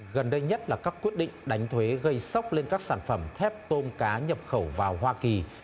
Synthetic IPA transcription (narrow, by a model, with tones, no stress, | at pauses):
ɣə˨˩nɗə˧jɲə˦˥t̚laː˨˩kaː˦˥kːwi˦˥ət̚ɗḭ˧˨ŋ̟ɗa˨˦jŋ̟t̪ʰwe˨˦ɣə˧jsa˦˥wk͡p̚le˧nkaː˦˥k̚saː˧˩nfə˧˩mt̪ʰɛ˦˥p̚t̪o˧mkaː˨˦ɲə˨˩p̚xə˧˩wvaː˨˩wɦwaː˧ki˨˩